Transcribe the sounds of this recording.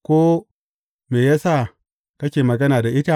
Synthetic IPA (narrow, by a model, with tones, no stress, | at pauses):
ko˦ | me˨ja˦sa˦˨ | ka˦kʲe˨ma˨ɡa˦na˨da˨ʔi˦ta˦